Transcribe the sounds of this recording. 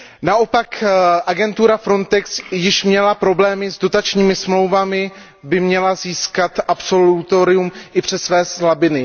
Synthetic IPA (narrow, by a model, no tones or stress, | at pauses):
naʔopakʔaɡɛnt̪uɾafɾo̞nt̪ɛksjɪʃmɲɛlapɾo̞blɛːmɪzdo̞t̪at͡ʃɲiːmɪsmlo̞wvamɪ | bɪmɲɛlaziːskat̪ʔapso̞lut̪o̞ɾɪumʔɪpr̝̥ɛsvɛːslabɪnɪ